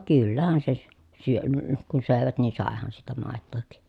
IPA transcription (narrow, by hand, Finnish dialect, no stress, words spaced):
kylːæhæn se sy̆ syøn ə kun søˑeʋæt niː sɑˑehɑn siːtæ mɑˑetːoˑhik